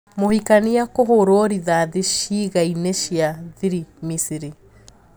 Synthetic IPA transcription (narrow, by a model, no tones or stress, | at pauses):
mohikaniakoɦoɾoɾiðaðiʃiːɣaineʃiaðiɾimisiɾi